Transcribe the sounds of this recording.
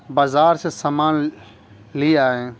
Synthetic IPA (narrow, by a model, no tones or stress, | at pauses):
baːzaːɾsesamaːn | liaːẽː